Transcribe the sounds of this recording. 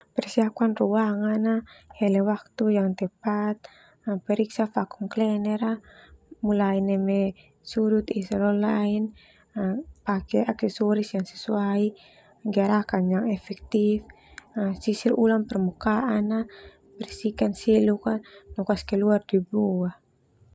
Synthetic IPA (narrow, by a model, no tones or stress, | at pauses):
pɛrsiakuanruaŋanahɛlɛwak̚t̪ujaŋt̪ɛpat̪̚ | pɛɾiksafakuŋklɛnɛɾamulainɛmɛ | suɾut̪isɛlɔlain | pakɛʔaksɛsɔɾisjaŋsɛ̥suai | ɡiaɾakanjaŋɛfɛk̚t̪if | sisirulaŋpɛrmukaʔana | pɛɾisikansilukanɔkaskɛluardibua